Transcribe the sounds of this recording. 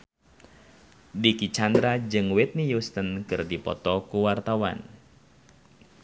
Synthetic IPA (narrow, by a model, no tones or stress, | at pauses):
dikit͡ʃandɾad͡ʒɨŋwɪt̪̚nijust̪ənkɨrdipɔ̰t̪ɔkuwart̪awa̰n